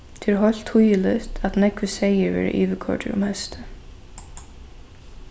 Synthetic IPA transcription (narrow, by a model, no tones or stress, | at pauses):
t̪ʰɪɾɦɔl̥t̪hujɪlœst̪ʰat̪nɛkvɪsejɪɹvɛ̰ːɾɪ̰ʔiːʋɪkʰɔ̰ɹʈɪɾʊ̰mhɛst̪ɪ